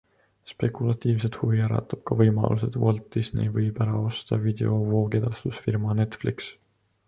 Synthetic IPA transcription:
spe̞kːˑulɑt̪ːiːvse̞d̪̥huviæɾɑ̰t̪ːˑɑb̥̚kɑvɤjmɑ̰lʔuse̞d̪voɑlt̪ːˑisnḛjvɤjb̥æɾɑo̞st̪ɑvid̪e̞̰o̞vo̞ːked̪̥ɑst̪usfirmɑne̞t̪fliks

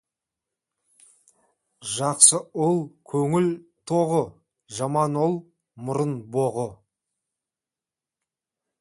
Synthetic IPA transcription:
ʒɑqsəʊlˠkʲʰɵŋɪlt̪ʰoʁə | ʒɑmɑnolˠ | mʊɾənboʁə

